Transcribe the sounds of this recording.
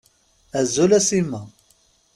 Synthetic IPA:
æzulæsimːa

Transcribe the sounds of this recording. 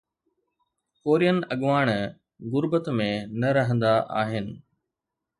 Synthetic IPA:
koːɾijənɪ̆ʔɐɠʋaːɽ̃ | ɣʊɾbət̪mẽnɐɾɐɦə̃nd̪aʔa̰ːɦɪnɪ̆

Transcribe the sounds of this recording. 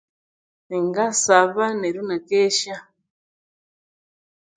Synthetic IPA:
neŋɡasaβaneɾunakeʃa

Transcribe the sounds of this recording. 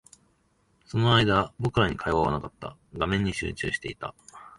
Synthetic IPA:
so̞no̞aid̪abo̞kɯ̟ɾaɲ̟ikʰaiβaβa̰nakat̪ːa̰ɡamẽ̞ɲ̟ːiɕɨ̰ːt͡ɕɨ̰ːɕi̥t̪e̞it̪a

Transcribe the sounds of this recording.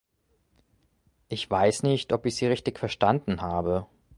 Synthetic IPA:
ʔɪçv̥aɪsnɪçtʰʔɔpɪçz̥iːʁɪçtɪçfɛɐʃtandn̩ɦaːbə

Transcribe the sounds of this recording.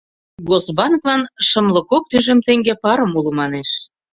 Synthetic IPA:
ɡozbɑnklɑnʃə̆mlə̆kok̚t̪yʒə̆mt̪eŋɡepɑɾə̆mulumɑneʃ

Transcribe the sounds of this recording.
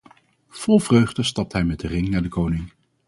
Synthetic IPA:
v̥ɔlˠvrøɥχdəstɑp̚tɦɛjmɛd̚ərɪŋnaːɹdəkownɪŋ

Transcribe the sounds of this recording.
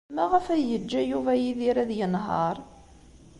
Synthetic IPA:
mæʁəfæjəd͡ʒːæjuvæjiðiɾæðjənɦɑ̰ɾˤ

